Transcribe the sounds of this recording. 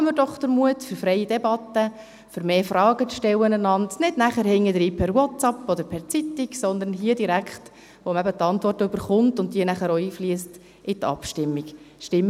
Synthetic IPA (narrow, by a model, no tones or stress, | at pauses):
məɾd̥ɔχd̥̪əɾmuətfʏɾfɾɛɪidɛbɑtːə | fʏɾmeːfrɑːɡət͡sʃtɛwənənɑntnɪdnæχəɾhɪŋːədɾiːpʰɛɾwɔtɑpːɔd̪əɾpʰɛɾt͡sitiksɔnd̪ənɦiədiɾækχt | ʋomæbət̪ɑntvɔrtøb̥əɾχʊntʊntdiənæχəɾoiːfliəst | ʔɪtɑ̰pʃtɪmːiɡʃtɪmː